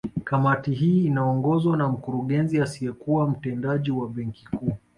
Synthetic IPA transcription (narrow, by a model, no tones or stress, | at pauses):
kamatiɦiːnaɔŋɡɔzwanam̩kuɾuɠɛnziasijɛkuwam̩tɛndaʄiwaɓɛŋkikuː